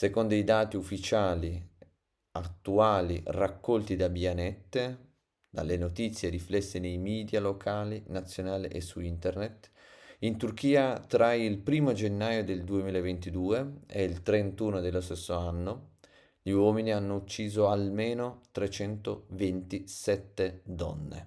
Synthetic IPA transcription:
sekond̪oid̪aːt̪iufːit͡ʃaːli | at̪ːuaːlirakːɔlt̪id̪abianɛt̪ːe | d̪a̰lːenot̪it̪sːjeɾiflɛsːenejmiːd̪jalokʰaːlinat̪sːjonaːlḭʔesuint̪ernet̪int̪urk̟iːat̪ɾailpɾiːmod͡ʒenːaːjod̪eld̪uemiːlaevent̪id̪uːeɛ̰ilt̪ɾent̪uːnod̪elːost̪esːoanːo | ʎiwɔːminianːout͡ʃːiːzoalmeːnot̪ɾet͡ʃɛnt̪ovent̪isɛt̪ːed̪ɔ̰nːḛ

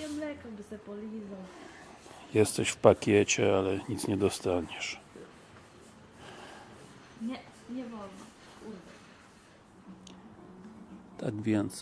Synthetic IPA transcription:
ɛmlɛkɔbɨsɛpɔlʲizɔ | jɛst̪ɛɕfpakʲjɛt͡ɕɛalɛɲit̪sɲɛd̪ɔst̪aɲɛʂ | ɲɛ | ɲɛvɔlna̰ | kuɾd̪ɛ | t̪aɡvʲjɛnt̪s

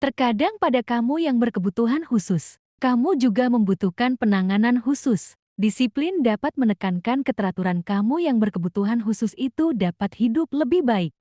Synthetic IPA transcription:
t̪ərkadaŋpadakamujaŋbərkəbut̪uɦanhusʊs | kamud͡ʒuɡaməmbut̪uhkanpənaŋananhusʊs | disiplɪndapat̪̚mənəkankankət̪əɾat̪uɾankamujaŋbərkəbut̪uɦanɦusʊsit̪udapat̪hidʊp̚ləbɪhbaɪk̚

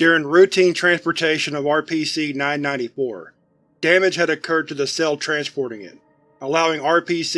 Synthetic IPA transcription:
d̥ʊɹɪ̃ŋɹʉtʰĩntʰɹ̥æ̃nspə˞tʰeɪʃɨ̃nʌvɑɹpʰisinãɪ̃nːãɪ̃ɾifɔɹ | d̥æmɨ̥d͡ʒ̥hɨɾɨkʰɜ˞d̚tʰɨðɨsɛlˠtʰɹ̥æ̃nspʰɔɹɾɪ̃ŋɪ̰t̚ | əlaʊɪ̃ŋɑɹpʰis

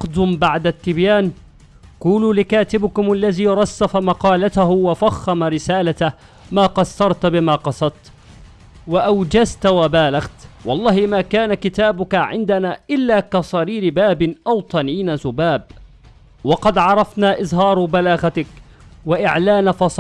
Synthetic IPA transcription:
qd̪ʊmbaʕd̪at̪ːɪbjaːn | quːluːlɪkaːt̪ɪbɪkʊmʔalːaðiːɾˤɑsːafamɑqɑːlat̪ahʊwafaxːamaɾɪsaːlat̪a | maːqɑsːɑɾˤt̪bɪmaːqɑsˤɑt̪ | waʔawd͡ʒazt̪wabaːlaɣt̪wɑlˤːɑːhɪmaːkaːnakɪt̪aːbʊkaʕɪnd̪anaːʔɪlːaːkasˤɑɾiːɾɪbaːbɪʔawt̪ˤɑniːnazʊbaːb̚ | wɑqɑd̪ʕɑɾˤɑfnaːʔɪzɦɑːɾˤbalaːɣat̪ɪk | waʔɪʕlaːnafɑsˤ

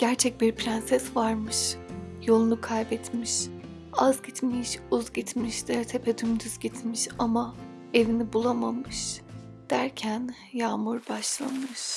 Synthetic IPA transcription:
ɟ̥æɾt͡ʃʰɛc̚biɾpɾɛnsɛsvaɾmɯʃjo̞lˠunukʰajbɛt̪miʃ | azɟit̪miʃuzɟit̪ʰmiʃd̪̥ɛt̪ʰɛpʰɛd̪ymd̪yz̥ɟit̪ʰmiʃama | e̞vinibulˠamamɯʃ | d̪̥æɾcʰæn | jaːmuɾbaʃlˠa̰nmɯʃ

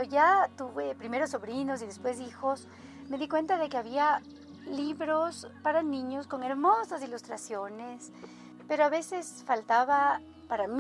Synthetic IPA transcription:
oʝat̪uβepɾime̞ɾosːo̞βɾino̞s̬iðe̞spwe̞sixo̞s | me̞ðikwe̞nt̪aðe̞keaβia | liβɾospaɾanĩɲosko̞ŋe̞ɾmo̞sasilust̪ɾasjo̞nes | pe̞ɾoaβe̞se̞sfalt̪aβa | paɾam

